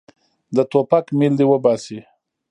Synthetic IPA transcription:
d̪ət̪opakmild̪ewəbɑsi

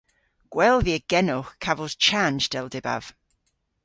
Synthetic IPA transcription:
ɡ̥wɛlˠðiəɡ̥ɛnʊχkʰavɔz̥t͡ʃʰand͡ʒdɛlˠdɪba̰v̥

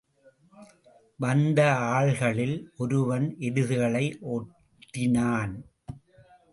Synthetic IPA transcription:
ʋɐnd̪ɐaːɭɣɐɭɪlʔɔɾɯʋɐnʔɛɽɯðɯɣɐɭɐɪʔoː | ʈʈːɪnaːn

